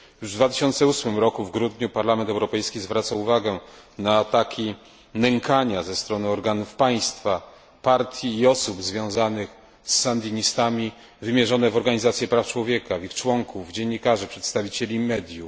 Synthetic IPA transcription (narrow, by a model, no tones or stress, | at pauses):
juʐvd̪vat̪ɘ̥ɕɔnt̪sɛusmɘmɾɔkuvɡɾud̪ɲupaɾlamɛnt̪ɛwɾɔpɛjskʲizvɾat̪sauvaɡɛnaːt̪akʲʰi | nɛŋkaɲazɛst̪ɾɔnɘɔɾɡanufpaj̃st̪fa | paɾt̪ʰʲjiːɔsubzvʲjɔ̃w̃zanɘx | sːand̪ʲiɲist̪amʲi | vɘmʲjɛʐɔnɛvɔɾɡaɲizat̪sʲjɛpɾaft͡ʂwɔvʲjɛkavixt͡ʂwɔŋkʰuvd͡ʑeɲːikaʐɘpʂɛt̪st̪avʲit͡ɕɛlʲimɛd̪ʲju